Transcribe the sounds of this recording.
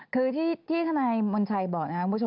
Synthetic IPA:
kʰɯː˧t̪ʰiː˥˩t̪ʰiː˥˩t̪ʰa˧˥˩naː˧jmo˧nt͡ɕʰa˧jbɔː˨˩k̚n˧ka˦ku˧mʰ˦˥˩o˧

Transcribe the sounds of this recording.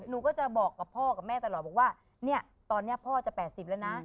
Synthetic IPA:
nuː˧˩kɔː˥˩t͡ɕa˨˩bɔː˨˩kːa˨˩pʰɔː˥˩ka˨˩p̚mɛː˥˩t̪a˧lɔː˨˩t̪̚bɔː˨˩kwaː˥˩ | ni˥˩ɐ | t̪ɔː˧nːi˦˥ɐpʰɔː˥˩t͡ɕa˨˩pɛː˨˩t̪̚si˨˩p̚lɛ˦˥wna˦˥

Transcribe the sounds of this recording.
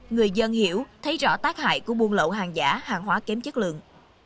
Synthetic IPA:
ŋɨ˨˩əjzə˧nhi˧˩əwt̪ʰə˨˦jzɔ̰˧˥t̪aː˦˥k̚ha̰ː˧˨jku˧˩əɓu˧ənlo̰˧˨wɦaː˨˩ŋza̰ː˧˩˥haː˨˩ŋɦwaː˨˦kɛ˨˦mt͡ɕə˦˥k̚lɨ̰˧˨əŋ

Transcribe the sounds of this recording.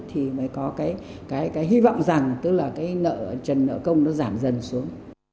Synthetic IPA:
t̪ʰi˨˩məː˨˦jkɔ˨˦kaː˨˦j | kaː˨˦jkaː˨˦jɦi˧vɔ̰˧˨wŋ͡mza˨˩ŋt̪ɨ˨˦˥k̚laː˨˩kaː˨˦jnə̰ː˧˨t͡ɕə˨˩nːə̰ː˧˨kə˧wŋ͡mnɔ˨˦zaː˧˩mzə˨˩nsu˨˦əŋ

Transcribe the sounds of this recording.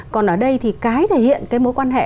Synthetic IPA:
kɔ˨˩nʔəː˧˩ɗə˧jt̪ʰi˨˩kaː˨˦jt̪ʰe˧˩hḭ˧˨ənkaː˨˦jmo˨˦jkwaː˧nɦḛ˧˨

